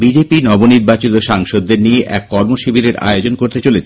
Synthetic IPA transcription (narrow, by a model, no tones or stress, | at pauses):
bid͡ʑepinɔboniɾbat͡ɕit̪oʃaŋʃod̪ːeɾnieʔɛ̰kːɔɾmoʃibʱiɾeɾa̰eod͡ʑonkoɾt̪et͡ɕolet͡ɕʰ